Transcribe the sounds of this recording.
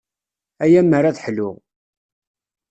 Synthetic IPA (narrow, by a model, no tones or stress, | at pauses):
æjæmːəɾaðħlʊʁ